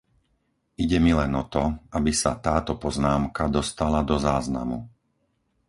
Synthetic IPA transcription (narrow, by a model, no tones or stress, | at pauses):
iɟɛmilɛnɔt̪ɔʔabisat̪aːt̪ɔpɔznaːmkad̪ɔst̪alad̪ɔzaːzna̰mu